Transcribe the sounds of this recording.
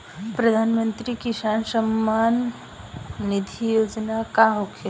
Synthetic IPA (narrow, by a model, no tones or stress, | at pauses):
pɾəd̪ʱaːnmə̃nt̪ɾikisaːnsəmːanː | id̪ʰʱijoːd͡ʒnakaɦokʰe